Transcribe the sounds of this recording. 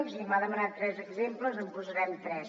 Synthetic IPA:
zimaðəmənat̪ɾɛzəɡzempləzəmpuzəɾɛmt̪ɾɛs

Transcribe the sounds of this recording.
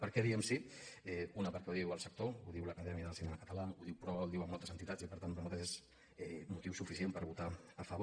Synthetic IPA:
pəɾkɛðiəmsiɛunəpəɾkɛuðiwəlˠsək̚t̪ouðiwləkəðɛmiəðəlsinɛməkət̪əlauðiwpɾɔβulˠd̪iwəmolˠt̪əzənt̪it̪at͡sipəɾt̪annumat̪eʃez | ɛmut̪iwsufisiempəɾβut̪aəfəβ

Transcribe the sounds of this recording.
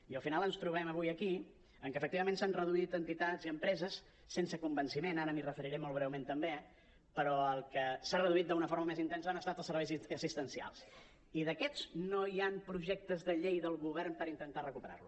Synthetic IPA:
iəlˠfinalˠənst̪ɾuβɛməβ̞ujəki | əŋkəːfək̚t̪iβəmensanrəðuit̪ənt̪it̪aziəmpɾɛzəsː | ensəkumbənsimenaɾəmirəfəɾiɾɛmolˠβɾɛwment̪əmbe | pəɾɔəlˠkəsarəðuit̪̚d̪əunəfoɾməmezint̪ɛnsəanəst̪at̪əlˠsəɾβɛjzəsist̪ənsia̰lˠs | iðəkɛznoiampɾuʒɛk̚t̪əzðəʎejðəlˠɣuβɛrmpəɾint̪ənt̪arəkupəɾa̰rlu

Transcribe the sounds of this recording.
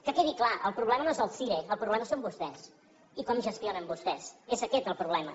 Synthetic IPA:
kəkeðiklaʔəlˠpɾuβlɛmənoezəlˠsiɾeəlˠpɾuβlɛməsombust̪ɛs | ikɔmʒəst̪jonəmbust̪ɛsezəkɛt̪əlˠpɾuβlɛmə

